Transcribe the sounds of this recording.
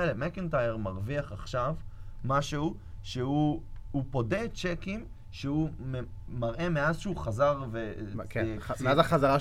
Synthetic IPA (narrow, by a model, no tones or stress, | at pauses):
lemekintajeʁmaʁviaχaχʃavmaʃehu | ʃeuupo̞dett͡ʃekim | ʃeume | maʁʔe̞meazʃeuχazaʁve | mazaχazaʁa